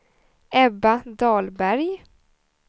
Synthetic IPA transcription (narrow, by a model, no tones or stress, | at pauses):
ɛbad̪ɑːlbæɾj